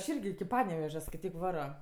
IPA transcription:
ɐʃ ˈɪrʲɡʲɪ ˈpɑːnʲɛʋʲɛʒʲɛ skɐɪˈtʲiːk ˈʋɑːroː

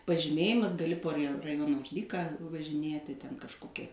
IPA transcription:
pɐʒʲɪˈmʲeːjɪmɐs ɡɐˈlʲɪ poː rʲɪ rɐˈjoːnɐ ʊʃ ˈdʲiːkɑː ʋɐʒʲɪˈnʲiɛtʲɪ tʲɛn kɐʃˈkoːkʲɛ

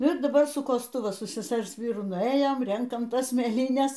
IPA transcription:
ɪr dɐˈbɐr sʊ koːsˈtʊ ʋɐ sʊ sʲɛˈsʲɛrs ˈʋʲiːrʊ nʊˈeːjoːm ˈrʲɛŋkɐm ˈtɐs mʲeːˈlʲiːnʲɛs

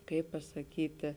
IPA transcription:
ˈkɐɪp pɐsɐˈkʲiːtʲeː

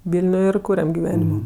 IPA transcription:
ˈʋʲɪlʲnʲʊj ɪr ˈkuːrʲɛm ɡʲɪˈʋʲæːnʲɪmoː

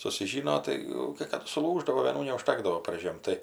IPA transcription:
sʊsʲɪˈʒʲiːnoː ˈtɐɪ jɛʊ kɐɪ ˈkɑːdʊ sʊˈlˠuːʒdɐʋoː ʋʲeːˈnuː nʲɛʊʃˈtɑːɡdɐʋoː pɐrʲˈʒʲeːm tɐɪ

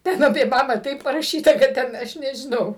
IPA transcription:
ˈtʲɛn ɐpʲeː ˈbɑːbɑː ˈtɐɪp pɐrɐˈʃʲiːtɐ kɐt ˈtʲɛn ˈɐʃ nʲɛʒʲɪˈnɐʊ

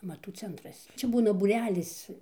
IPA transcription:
ɐmɐˈtuː ˈt͡sʲɛntrɐs ˈt͡ʃʲɛ ˈbuːnɐ buːˈrʲæːlʲɪs

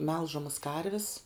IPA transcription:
ˈmʲɛlˠʒɐmɐs ˈkɐrʲʋʲɪs

